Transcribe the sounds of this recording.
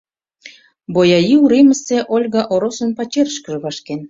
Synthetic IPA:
bojɑjiuɾeməseʔolʲɣɑʔoɾosə̆npɑt͡ɕeɾəʃkə̆ʒə̆βɑʃken

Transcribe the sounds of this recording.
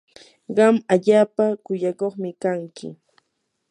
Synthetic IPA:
ɢɑmaʎaːpakʊjakoχmɪkaŋkɪ̰

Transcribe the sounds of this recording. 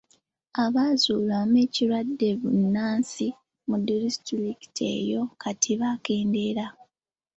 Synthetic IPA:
aβaːzuːlameːciɾwadːe̞βunːaːnsi | mudiɾistuliki̥tʰe̞̰ːjo̞kʰatʰiβake̞ːnde̞ɾa

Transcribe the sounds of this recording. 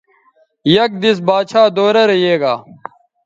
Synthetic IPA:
jɐk̚d̪is̬baːt͡ɕʰaːd̪oːɾɐɾɐɦeːɡaː

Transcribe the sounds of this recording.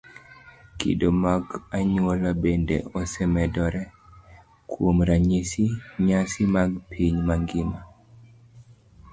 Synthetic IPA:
kḭdomaɡaɲwolabendḛɔsɛmɛdɔɾɛ | kwomɾaɲisiɲasimaɡpʰiɲmaŋɡɪma

